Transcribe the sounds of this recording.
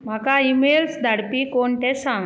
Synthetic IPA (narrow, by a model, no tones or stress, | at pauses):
m̤akaimelsd̪ʱaɽpiːkoɳʈ̪ɛsãŋɡ